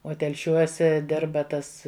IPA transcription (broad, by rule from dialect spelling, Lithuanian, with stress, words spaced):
oː tʲɛlʲˈʃʲuɔsʲɛ ˈdʲɪrbɐ ˈtɐs